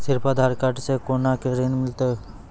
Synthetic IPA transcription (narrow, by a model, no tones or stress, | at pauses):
sɪɾpad̪ʱaɾkaʈsekoːnakeɾenmɪlt̪e